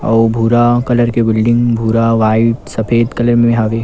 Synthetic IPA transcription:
ɐ̰bʱuːɾakɐləɾkebɪlɖɪ̃ŋɡbʱuːɾaʋaːɪt̪sɐpʰeːd̪kɐləɾmẽɦaːʋeː

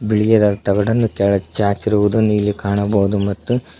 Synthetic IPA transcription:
biɭijɐd̪ɐt̪ɐɡɐɽɐnːukɛɭɐt͡ʃaːt͡ʃiɾuʋud̪unːiːlːikaːɳɐbɐːud̪umɐt̪ːu

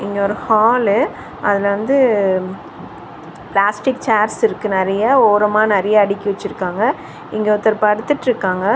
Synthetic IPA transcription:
ɪŋɡeɔːɾɯhaːl | ɐðɪlʋɐnd̪ɯ | plaːsʈɪkt͡ʃaːɾsɪɾɯkːɯnɛɾɐjɐoːɾɐmaːnɛɾɐjɐːɽɪkʲːɪʋɛt͡ʃːɪɾɯkːaːŋɡɐ | ɪŋɡeʊt̪ːɐɾpɐɽɯt̪ːɯʈːɾɯkːaːŋɡɐ

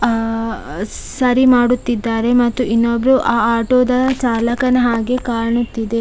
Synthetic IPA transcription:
sɐɾimaːɽut̪ːid̪ːaːɾe̞mɐt̪ːuʔinːobɾuʔaːaːʈoːd̪ɐt͡ʃaːlɐkɐnɐɦaːɡekaːɾɐɳut̪ːid̪e̞

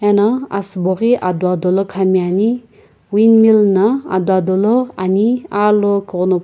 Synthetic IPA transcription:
enaa̰sboɣiʔad̪wad̪olɔkʰamiani | winmilnaa̰d̪wad̪oloa̰nialokɯno

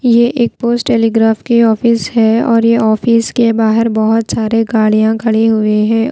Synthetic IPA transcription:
jeʔeːk̚poːsʈːɛːliːɡɾaːfkiɔːfɪsɦɛɔːɾjeʔɔːfiskebaːɦəɾbɔɦʊt̪saːɾeɡaːɽijãkʰɐɽiɦʊeɦɛ̃ː

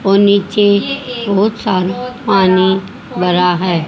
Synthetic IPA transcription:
oniːt͡ʃebɔɦʊt̪saːɾpaːni | bəɾaɦɛː

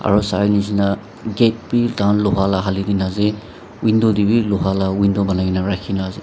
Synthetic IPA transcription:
a̰ɹɔsanizina | ɡet̚bidanlɔɦalaɦalidinaze | windɔdibilɔɦalawindɔbanainaɹajkʰinaze

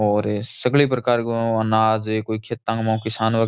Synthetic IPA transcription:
ɔːɾsəɡlipɾəkaːɾɐnaːd͡ʒekoːikʰet̪ːãŋɡmãkɪsaːnʋə

